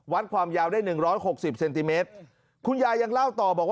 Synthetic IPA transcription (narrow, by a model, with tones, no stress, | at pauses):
wa˦˥t̪̚kʰwaː˧mjaː˧wdaː˥˩jnɯ˨˩ŋɾɔː˦˥jho˨˩k̚si˨˩p̚se˧nt̪i˧meː˦˥t̪̚ | kʰu˧njaː˧ja˧ŋla˥˩wt̪ɔː˨˩bɔː˨˩k̚w